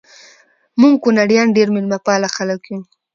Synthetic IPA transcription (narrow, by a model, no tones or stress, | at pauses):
muŋɡkunaɽjɑnɖeɾmɪlmapɑlaxalakju